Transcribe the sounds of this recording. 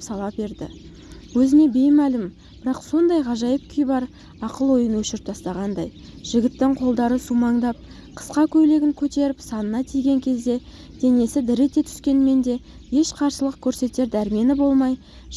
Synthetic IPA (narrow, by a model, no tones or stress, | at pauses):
psɑlˠɑpbe̞ɾd̪ɪ̰ | wɵzɪne̞be̞jmælɪm | b̥ɪɾɑqso̞nd̪ɑjʁɑʒɑjəp̚kʲʰʏjbɑɾ | ɑqəlˠwo̞jənwɵʃɪɾɪp̚t̪ʰɑst̪ɑʁɑnd̪ɑj | ʒ̥ɪɡʲɪt̪ːɪŋqʰo̞lˠd̪ɑɾəsumɑɴd̪ɑp̚ | qʰə̥sqɑkʲʰɵjle̞ɡʲɪŋkʲʰɵt̪e̞ɾɪpsɑnənɑt̪ʰijɡʲe̞ŋkʲʰe̞zd̪e̞ | d̪̥e̞ne̞sɪd̪ɪɾet̪e̞t̪ʰʏ̥skʲe̞nme̞nd̪e̞ | e̞ʃqʰɑɾsəlˠəqkʲʰɵɾse̞t̪e̞ɾd̪æɾme̞nɪbo̞lˠmɑj